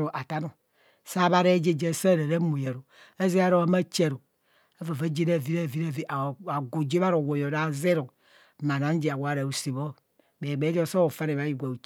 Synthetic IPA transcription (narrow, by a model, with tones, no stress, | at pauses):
ɾo˨ʔa˨ta˦no˨ | sa˦βa˦ɾe˦d͡ʒe˦d͡ʒe˦˨sa˦˨ɾe˨ɾe˦mu˨je˨ɾo˨a˦ze˦a˦ɾo˦a˦ma˦t͡ʃe˨ɾo˨ | a˦va˨va˦d͡ʒe˦ɾa˦˨vi˦ɾa˦˨vi˦ɾa˦˨vi˦a˨a˨ɡo˨d͡ʒe˦βa˦ɾo˨wo˨jo˨ɾa˨ze˦ɾo˨ | ma˨na˦n˦d͡ʒe˨a˨wɾa˨u˨se˨βo˦ | be˨ɡ͡be˨˦d͡ʒo˦so˦o˨fa˦ne˨βa˨˦ji˨ɡʷa˨u˨